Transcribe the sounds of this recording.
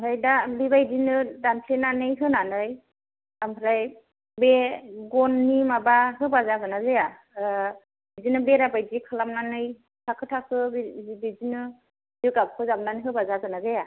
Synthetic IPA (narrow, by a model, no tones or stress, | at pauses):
amɯɾajdaliβajdinɯdanpʰlenanɯjɦɯnanɯj | amɯɾaj | beɡɔnːimabaɦɯbazaɡɯnazeja | bizinɯbeɾabajdikʰɯlamnanɯj | tʰakʰɯtʰakʰɯbbizinɯ | zɯɡab̚kʰɯzamnaniɦɯbazaɡɯnazeja